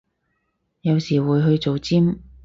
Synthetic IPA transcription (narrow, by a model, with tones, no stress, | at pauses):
jɐ˨˧wsiː˨˩wuː˨˧jɦɵ˧ɥt͡so˨wt͡siː˥m